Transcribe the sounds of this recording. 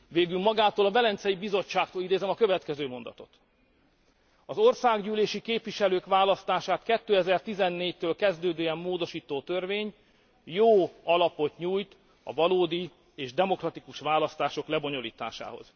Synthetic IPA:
veːɡylmɒɡaːt̪oːlɒvɛlɛnt̪sɛjibizo̞ːaːkt̪oːlid̪eːzɛmɒkøvɛt̪kɛzøːmo̞nd̪ɒ̰t̪o̞t̪ | ɒzo̞rsaːɡɟyːleːʃikeːpvʋiʃɛløːkʋaːlɒst̪aːʃaːt̪kɛt̪ːøːɛzɛrt̪izɛnːeːct̪øːlkɛzd̪øːd̪øːjɛmːoːd̪o̞ʃiːt̪oːt̪ørveːɲ | joːɒlɒpo̞t̪ɲuːjt̪ | ɒ̰vɒloːd̪i | eːʒd̪ɛmo̞krɒt̪ikuʃʋaːlɒst̪aːʃo̞klɛbo̞ɲo̞lḭːt̪a̰ːʃa̰ːho̞̰z̥

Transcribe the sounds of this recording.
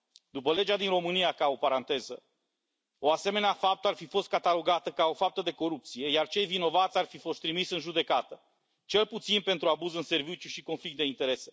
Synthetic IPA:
d̪upəle̞d͡ʒad̪inro̞mɨnijakao̞paɾant̪e̞zə | o̞ase̞me̞neafap̚t̪əarfifo̞st̪̚kat̪alo̞ɡat̪əkao̞fap̚t̪əd̪e̞ko̞ɾup̚t̪sije̞jart͡ʃe̞jvino̞vat̪sʲarfifo̞st̪ːɾimisɨnʒud̪e̞kat̪ə | t͡ʃe̞lput̪sinpe̞nt̪ɾuabuzɨnse̞rvit͡ʃjuʃiko̞nflik̚t̪d̪e̞int̪e̞ɾe̞se̞

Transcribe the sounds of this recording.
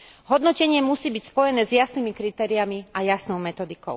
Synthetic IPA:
ɦɔd̪nɔcɛɲɪɛmusiːbicspɔjɛnɛːzjasnimikɾit̪ɛːɾiamiajasnɔʊmɛt̪ɔd̪ikɔ̰ʊ

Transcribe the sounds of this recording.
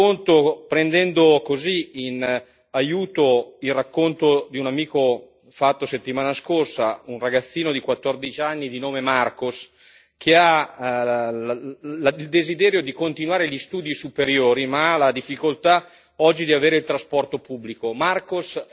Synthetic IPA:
ont̪opɾend̪ɛnd̪okoziin | ajuːt̪oilrakːont̪od̪iunamiːko | fat̪ːoset̪ːimaːnaskorsaunraɡat̪sːiːnod̪ikwat̪ːord̪it͡ʃanːid̪inoːmemarkos | kʰea | ild̪ezid̪ɛːɾjod̪ikont̪inwaːɾeʎist̪uːd̪isupeɾjoːɾimalad̪ifːikolt̪a | ɔd͡ʒːid̪iaveːɾeilt̪ɾaspɔrt̪opubːlikomarkos

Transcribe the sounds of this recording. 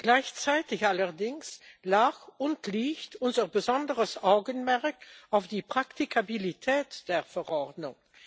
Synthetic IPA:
ɡ̥laɪçt͡saɪtɪçʔaləʁdɪŋslaːxʊntliːçtʔʊnzəʁbəzɔndəʁəsʔaʊɡənmɛʁkaʊfd̥iːpʁ̥aktikʰabilitʰɛːtd̥eːɐfɛʁɔʁdnʊŋ

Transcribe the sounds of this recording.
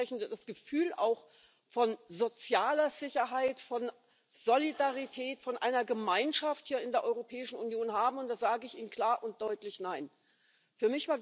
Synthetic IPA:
ɛçn̩dəd̥asɡ̥əfyːla̰ʊx | fɔnzot͡sjaːlɐzɪçɐɦaɪtfɔn | z̥olidaʁitʰɛːtfɔnʔa̰ɪnɐɡəmaɪnʃafthiːɐɪndeːɐʔɔʏʁopʰɛːɪʃn̩unjoːnɦaːbm̩ʊnt̚d̥aːz̥aːɡəɪçiːnənkʰl̥aːɐʔʊnt̚d̥ɔʏtlɪçnaɪn | fyːɐmɪçv̥aːɐ

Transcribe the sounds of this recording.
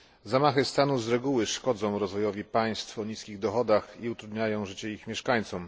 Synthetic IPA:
zamaxɘst̪anuzɾɛɡuwɘʂkɔd̪zɔ̃w̃ɾɔzvɔjɔvʲipaj̃st̪fɔɲiskʲiɣd̪ɔxɔd̪axiut̪ɾud̪ɲajɔ̃w̃ʐɘt͡ɕɛixmʲjɛʂkaɲt̪sɔm

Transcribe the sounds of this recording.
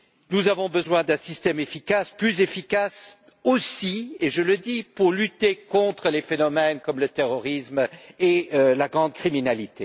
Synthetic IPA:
nuzavɔ̃bəzwɛ̃d̪ɛ̃sist̪ɛmefikasplyzefikas | osieʒələd̪ipuʁlyt̪ekɔ̃t̪χəlefenɔmɛnkɔmlət̪eʁɔʁismelaɡʁɑ̃d̪̚kχiminalit̪e

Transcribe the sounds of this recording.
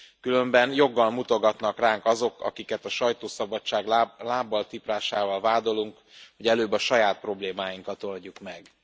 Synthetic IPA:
kylø̞mbɛnjo̞ɡːɒlmut̪o̞ɡɒt̪nɒkraːŋkɒzo̞kɒ̰kikɛt̪ɒʃɒjt̪oːsɒbɒt͡ʃːaːɡlaːbːɒlt̪ipraːʃaːvɒlvaːd̪o̞luŋk | ho̞ɟɛløːbːɒʃɒjaːt̪̚pro̞bleːmaːjiŋkɒt̪o̞lɟukmɛɡ

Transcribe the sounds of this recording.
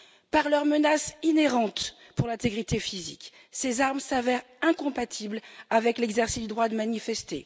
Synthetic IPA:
paʁlœʁmənasineʁɑ̃t̪ | puʁlɛ̃t̪eɡʁit̪efizḭk | sezaʁmsavɛʁ | ɛ̃kɔ̃pat̪ʰiblavɛklɛɡzɛʁsisd̪d̪ʁwad̪əmanifɛst̪e

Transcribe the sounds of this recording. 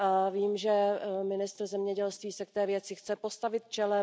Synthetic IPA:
aviːmʒɛmɪnɪst̪r̩zɛmɲɛɟɛlst̪viːsɛk̚t̪ɛːvjɛt͡sɪxt͡sɛpo̞st̪avɪt̪̚t͡ʃɛlɛ

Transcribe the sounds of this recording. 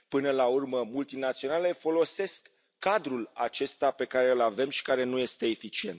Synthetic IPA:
pɨnəlaurməmult̪inat̪sio̞nale̞fo̞lo̞se̞skː | ad̪ɾula̰t͡ʃe̞st̪ape̞kaɾe̞ɨlave̞mʃi̥kaɾe̞nuje̞st̪e̞ːfit͡ʃie̞nt̪

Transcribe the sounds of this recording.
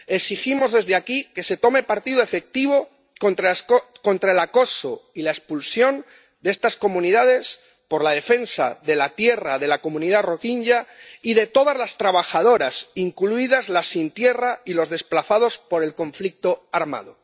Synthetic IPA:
e̞ksiximo̞zðe̞zðeakike̞se̞t̪o̞me̞paɾt̪iðoe̞fe̞k̚t̪iβ̞o̞ | ko̞nt̪ɾaelako̞soilaespulsjo̞n | d̪ee̞st̪asko̞mũniðað̞e̞s | po̞ɾlaðe̞fe̞nsa̰ðe̞lat̪je̞raðe̞lako̞mũniðaro̞kiɲɟaiðe̞t̪o̞ðazlast̪ɾaβaxað̞o̞ɾasiŋkluiðazlasːint̪je̞railo̞zðe̞splaθaðo̞spo̞ɾe̞lko̞ɱflik̚t̪o̞aɾma̰ð̞o̞

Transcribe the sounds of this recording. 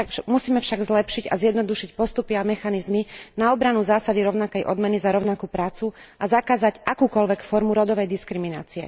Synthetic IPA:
amusiːmɛfʃaɡzlɛpʃiɟa̰zjɛd̪nɔd̪uʃicpɔst̪upiamɛxanizminaɔbɾanuzaːsad̪iɾɔʊnakɛjʔɔ̰d̪mɛnizaɾɔʊnakupɾaːt͡suazakaːzaɟʔakuːkɔlʋɛkfɔɾmuɾɔd̪ɔʋɛjd̪iskɾimina̰ːt͡siɛ̰

